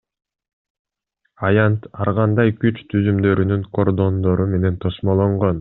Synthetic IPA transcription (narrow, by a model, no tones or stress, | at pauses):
ɑjɑnt̪ɑɾʁɑnd̪ɑjkyt͡ʃt̪ʰyzymd̪ø̞ɾynyŋko̞rd̪o̞nd̪o̞ɾume̞ne̞nt̪ʰo̞smo̞lˠoɴʁo̞n